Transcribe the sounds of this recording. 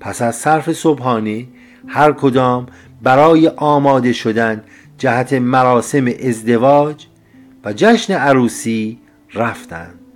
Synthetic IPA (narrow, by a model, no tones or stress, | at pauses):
pʰæsæzsæɾfe̞sobhɒːne | hæɾkʰod̪ɒːm | bæɾɒːje̞ʔɒːmɒːd̪e̞ʃod̪æn | d͡ʒæhæt̪ʰe̞mæɾɒːse̞meʔezd̪e̞vɒːd͡ʒ | væd͡ʒæʃneæɾuːsiː | ɾæft̪æ̰nd̪̥̚